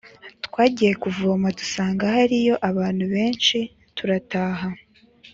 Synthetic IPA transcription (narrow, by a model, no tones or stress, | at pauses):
tkwaːɟije̞kuvoːmatu̥saːŋɡahaɾijo̞ʔaβaːn̥huβe̞ːnʃi | tuɾataːɦa